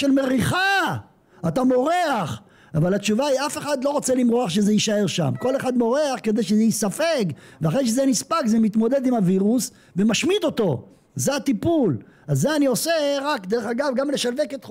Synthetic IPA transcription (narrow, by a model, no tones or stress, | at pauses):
ʃelmeʁiχa | atamo̞ʁeaχ | avalat͡ʃuvaiafe̞χad̪lo̞ʁot͡selimʁoaχʃe̞zeiʃae̞ʁʃa̰mko̞le̞χad̪mo̞ʁeaχke̞d̪ejʃezejisafeɡveaχʁejʃ̬ezenispakzemit̪mo̞d̪e̞d̪imaviʁus | vemaʃmid̪o̞t̪o̞ | zeat̪ipul | azːeanio̞seʁakd̪eʁeχaɡavɡamleʃalveket̪χ